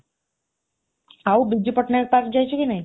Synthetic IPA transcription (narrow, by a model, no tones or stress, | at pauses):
awbid͡ʒipɔʈneɾpaɾk̚d͡ʒajt͡ʃʰekinaj